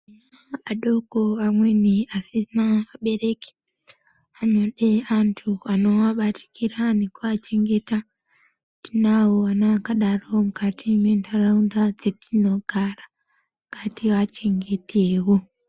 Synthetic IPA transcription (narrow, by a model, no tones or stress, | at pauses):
aaɗo̞koamwe̞niasinaʋaɓe̞re̞ke̥ | aɲoɗe̞antʰuano̞waɓatʰi̥kʰiranekuat͡ʃe̞ŋɡe̞ta | tinawoanaakaɗaro̞mukatime̞ndaraundad͡zetino̞ɡʱara | kʰatiʋat͡ʃe̞ŋɡe̞tʰeːwo